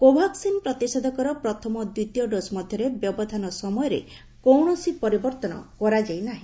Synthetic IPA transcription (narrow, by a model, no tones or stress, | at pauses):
kobʱaksinpɾɔt̪isɔd̪ʱɔkɔɾɔpɾɔt̪ʰɔmɔd̪wit̪jɔɖosmɔd̪ʱjɔɾebjɔbɔd̪ʱanɔsɔmɔjɔɾḛ | kowɳɔsipɔɾibɔɾt̪ɔnɔ̰kɔɾad͡ʒajnaɦĩ